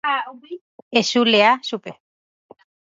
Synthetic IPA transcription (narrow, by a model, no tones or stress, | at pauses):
aubi | esuleasupe